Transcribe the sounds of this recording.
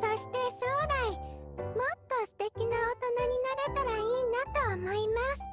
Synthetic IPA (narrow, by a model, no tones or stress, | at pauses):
so̞ɕi̥t̪e̞ɕoːɾaimo̞t̪ːo̞sɨ̥t̪e̞kʲinaot̪o̞naɲ̟inaɾe̞t̪aɾaiːnat̪o̞ːmo̞imasɨ̥